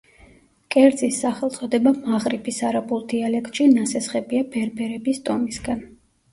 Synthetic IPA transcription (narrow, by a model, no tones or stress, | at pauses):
kʼɛɾd̪zisːaχɛlˠt̪sʼɔd̪ɛbamaʁɾipʰisaɾabulˠd̪ialɛkt̪ʼʃinasɛsχɛbiabɛɾbɛɾɛbist̪ʼɔmisɡan